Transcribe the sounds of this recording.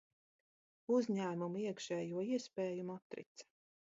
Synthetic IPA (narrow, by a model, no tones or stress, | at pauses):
uzʲɲæːmumuiɛkʃɛːjuɔiɛspɛːjumat̪ɾḭt̪sɐ̥